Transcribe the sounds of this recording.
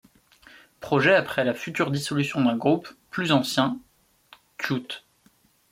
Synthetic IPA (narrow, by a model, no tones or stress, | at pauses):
pχɔʒɛapχɛlafyt̪yʁd̪isɔlysjɔ̃d̪ɛ̃ɡʁupː | lyzɑ̃sjɛ̃ | kut̪